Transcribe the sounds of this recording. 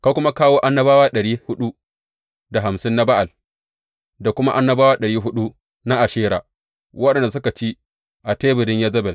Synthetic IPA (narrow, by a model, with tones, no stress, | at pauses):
ka˦kʷʊ˦ma˦kaː˦woː˦ʔa˦nːɐ˦baː˦waː˦ɗɐ˨ɽiː˦hʊ˦ɗu˦ | da˨ɦa˨msɪ˦nːa˦ba˦ʔa˨l | da˨kʷʊ˦ma̰˦ʔa˦nːɐ˦baː˦waː˦ɗɐ˨ɽiː˦ɦʊ˦ɗu˦ | na˦ʔa˨ʃeː˦ɾa̰ː˨ | wɐ˦ɗɐ˨nda˨sʊ˦ka˨t͡ʃi˦ | ʔa˨teː˦bɪ˨ɽɪ˦ɲjɐ˦zɐ˦bɛ˨l